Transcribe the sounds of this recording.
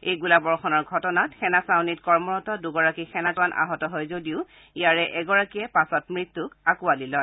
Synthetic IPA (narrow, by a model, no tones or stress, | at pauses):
ejɡulabɔɹxɔnɔɹɡʱɔtɔnatxɛnasawnitkɔɹmɔɹɔtɔduɡɔɹakixʰɛnazanʔa̰ɦɔtɔɦojzodiʊ | ijaɹɛʔɛɡɔɹakijɛpasɔtmɹit̪ːukakualilɔj